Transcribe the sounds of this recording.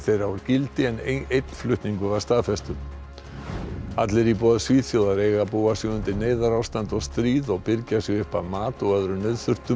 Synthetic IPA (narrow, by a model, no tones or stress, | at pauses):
θejɾaɾcɪlt̪ɪɛnejt̪n̥flʏht̪niŋkʏvaɾst̪aːðfɛst̪ʏ | at̪lɪɾipɔːðsviːt̪fjowðaɾejɣapuːasʏɣʏnt̪ɪneːjðaɾawst̪ant̪ɔɣst̪ɾiːðɔɣpɪɾcasɪɣʏhpaðmaːt̪ɔɣœðɾʏnœɥðθʏr̥t̪ʏ